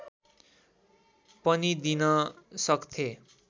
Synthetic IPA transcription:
pʌnid̪inʌsʌkt̪ʰe

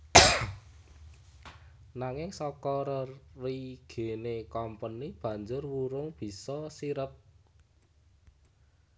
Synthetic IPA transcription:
naŋɪŋsɔkɔɾərriɡ̥e̤nekɔmpənib̥ä̤ɲd͡ʒʊrwuɾʊŋb̥i̤sɔsiɾəp̚

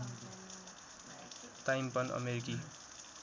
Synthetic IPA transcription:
t̪ajimpʌnʔʌ̰meɾiki

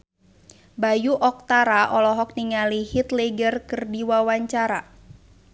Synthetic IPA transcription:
bajuʔɔk̚t̪aɾaʔɔlɔɦɔk̚niŋalihit̪leɡərkɨrdiwawaɲt͡ʃaɾa

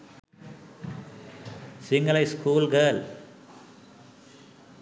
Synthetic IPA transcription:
sɪŋɡɐlɐɪskuːlɡeːl

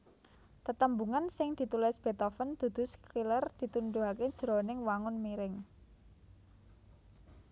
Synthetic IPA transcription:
t̪ət̪əmbuŋansɪŋd̪̥i̤t̪ulɪsb̥e̤t̪ɔfənd̪̥ṳd̪̥ʊ̤skilərd̪̥i̤t̪und̪uɦake̥ʒ̥ɾo̤nɪŋwaŋʊnmiɾɪŋ

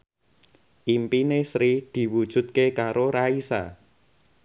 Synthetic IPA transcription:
ʔimpinesɾid̪̥i̤wud̥ʒ̥ṳt̪̚kekaɾoɾaisa̰

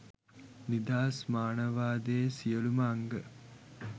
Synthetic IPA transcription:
nid̪aːsmaːnɐʋaːd̪eːsijəlumɐːŋɡə

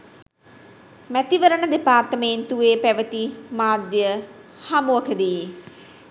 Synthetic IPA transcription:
mɛt̪iʋəɾənəd̪epaːɾt̪əmeːnt̪ueːpɛʋət̪imaːd̪jə | hɐmuəkʰəd̪iː

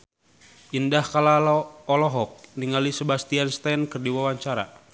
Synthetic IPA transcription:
ʔindahkalalɔlɔɦɔk̚niŋalisəbast̪ianst̪ankərdiwawaɲt͡ʃaɾa̰

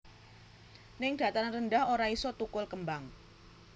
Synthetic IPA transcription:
nɪŋd̥a̤t̪aŋnrəndahoɾaisot̪ukʊlkəmbaŋ

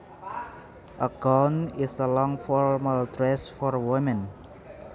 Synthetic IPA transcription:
ʔəɡɔnisəlɔŋfɔɹmaltɾɛsfɔrwimɛ̃n

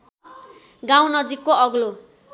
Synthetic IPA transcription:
ɡaw̃nʌd͡zikːoʌɡlo

